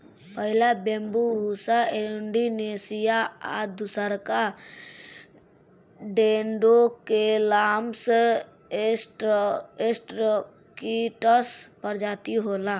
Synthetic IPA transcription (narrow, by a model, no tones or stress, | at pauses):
pəɦɪlabẽmbuɦusaiɳɖinesijaa̰d̪usəɾka | ɖenɖokelams | esʈo | kiʈəspəɾd͡ʒaːt̪iɦola